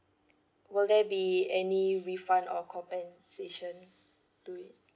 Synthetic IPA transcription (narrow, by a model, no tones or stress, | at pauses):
wɪldɛbiɛniɹifãndɔkʰɔ̃mpɛ̃n | seʃə̃n | tuit̚